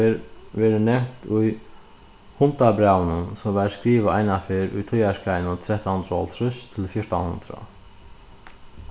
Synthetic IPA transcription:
ʋeːɾənɛmt̪ʊj | hʊnt̪abɾawnənsɔmʋæːɾskɾiːʋəaɪnafɪɾʊ̰jt̪ʰɔjaskaɪnʊt̪ʰɾɛht̪and̪ɾɔ̰ːlt̪ʰɾʏst̪ʰɪlfjɔɹt̪anhʊ̰nd̪ɾa̰

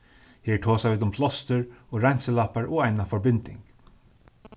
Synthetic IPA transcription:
heːʈʰoːsaɪːt̪ʊmpʰlɔst̪əɹoːɾænsəlɑpaɹɔːæɪnafɔɹbɪnd̪ɪ̰ŋɡ

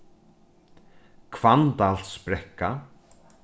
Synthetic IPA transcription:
kʰvant̪alt̪spɾɛkːa

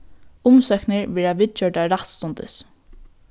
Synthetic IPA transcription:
ʊmsœknɪɹʋɛːɹaʋɪt͡ʃœʈaɾat̪st̪ʊnt̪ɪ̰s

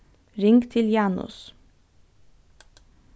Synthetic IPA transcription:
ɾɪŋɡt̪ʰɪljɑːnʊ̰s

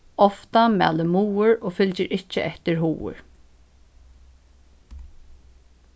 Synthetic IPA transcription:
ɔft̪amɛ̰aləmuːʊɹoːfʏlt͡ʃɪɾʔɪt͡ʃːə̰ʔɛht̪ɪɹɦuːʊ̰ɹ

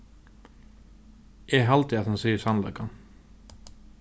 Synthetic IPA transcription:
ʔɛɣɦalt̪ɪaðhanseːjɪ̥sanlakan

